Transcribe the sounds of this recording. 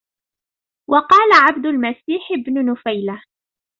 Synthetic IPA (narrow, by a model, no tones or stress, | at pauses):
wɑqɑːlaʕabd̪ʊlmasiːħɪbnʊnʊfajla